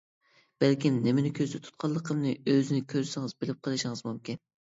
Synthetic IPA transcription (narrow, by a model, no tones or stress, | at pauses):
b̥ælkʲimnɪmɪnɪkʲʰøzd̪ɪt̪ʰu̥t̪̚qʰɑlˠːəqʰəmnɨøzɪnɪkʲʰøɾsɪŋɨzbɪlɪp̚qʰəlˠɨʃɪŋɨzmumkʲin